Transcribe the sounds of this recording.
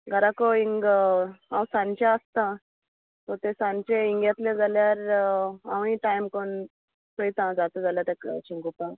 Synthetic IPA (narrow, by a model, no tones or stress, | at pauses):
ɡʱəɾakoiŋɡãwsãnt͡ɕaəst̪ã | t̪ɔt̪esãnt͡ɕeiŋɡjat̪led͡zʱaljaɾaʋ̃ĩʈajmkon | pɾəjt̪ãd͡zat̪ed͡zaljaɾt̪ɛkt͡ɕiŋɡop̪ã